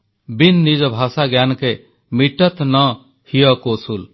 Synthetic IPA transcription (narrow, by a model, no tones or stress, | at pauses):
binːid͡ʒɔbʱasaɡjankɛ | miʈət̪nɔ̃ | hijɔkoːsul